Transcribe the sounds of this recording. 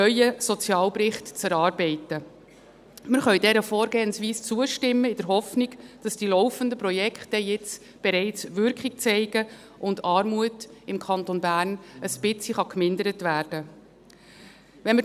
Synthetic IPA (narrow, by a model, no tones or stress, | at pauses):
œʏəsɔt͡sjɑːlpɾɪχtt͡sæɾɑːɾbɛɪtə | məɾχœʏdɛɾəfɔːɾɡeːənsʋiːst͡suəʃtɪmːəɪd̥əɾɦɔfniɡd̥ɑsd̥iːlɔwfəndəpɾɔjɛkχtəjɪt͡s | b̥ɛɾɛɪt͡sʋʏɾkχik̚t͡sɛɪɡə | ʔʊndɑːɾmuətɪmkʰɑntonbæːrnəspɪt͡siχɑkmɪndəɾətvæːɾd̥ə | vɛnmə